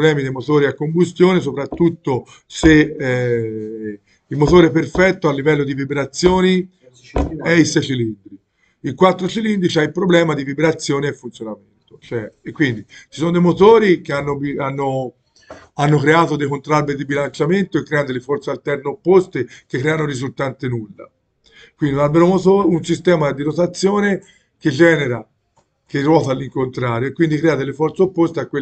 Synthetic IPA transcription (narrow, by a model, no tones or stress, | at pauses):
lɛːmid̪ejmot̪oːɾiakːombust̪joːnes̬opɾat̪ːut̪ːo | se | ilmot̪oːɾeɛperfɛt̪ːoalːivɛlːod̪ivibɾat̪sːjoːni | ɛisɛt͡ʃilind̪ɾi | ilkwat̪ːɾot͡ʃilind̪ɾit͡ʃiailpɾoblɛːmad̪ivibɾat̪sːjoːneefːunt̪sjonament̪o̥t͡ʃoɛekːwind̪it͡ʃi̥sonod̪ejmot̪oːɾikeanːobianːo | anːokɾeaːt̪od̪ejkont̪ɾalbeɾd̪ibilant͡ʃament̪oekːɾɛːanod̪elefɔrt̪sealt̪ɛrneopːost̪ek̟ekːɾɛːanoɾizult̪ant̪enulːa̰ | kwind̪inalbeɾomot̪ounsist̪ɛːmad̪iɾot̪at̪sːjoːne | ked͡ʒɛːneɾa | k̟erːwɔːt̪alːiŋkont̪ɾaːɾjoekːwind̪ikɾɛːad̪elːefɔrt̪seopːost̪eakːwe